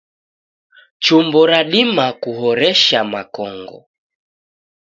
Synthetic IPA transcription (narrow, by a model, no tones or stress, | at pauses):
t͡ʃumbɔɾaɗimakuɦɔɾɛʃamakɔŋɡɔ̰